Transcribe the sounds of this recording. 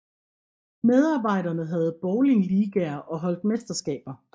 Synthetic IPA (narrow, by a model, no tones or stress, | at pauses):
með̞ˠɑ̈ːb̥ɑ̈ɪ̰ɾɐnəɦæð̞̩ˠb̥ɒʊliliːɡ̥æɐʔɒ̽ɦɒ̽l̰d̥̚mesd̥ɐsɡ̥ɛ̰ːb̥ɐ